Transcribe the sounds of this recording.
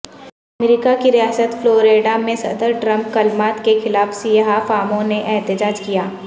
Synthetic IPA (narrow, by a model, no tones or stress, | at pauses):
ɐmɾiːkakiɾijaːsət̪floːɾeːɖamẽsɐ̰d̪əɾʈɾɐ̃mp̚kɐlmaːt̪kexɪlaːfsijɦafaːmõneʔɛɦt̪ɪd͡ʒaːd͡ʒkijaː